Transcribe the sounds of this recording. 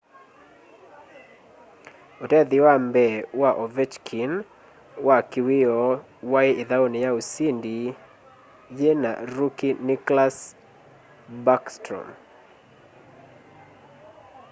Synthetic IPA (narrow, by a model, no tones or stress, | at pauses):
otɛd̪ɪwambɛwaʔɔvɛt͡ʃkʰin | wakɪwɪɔ | waɪɪðaonɪjausindi | jena̰ɾukinɪklas | bakstɾɔ̰m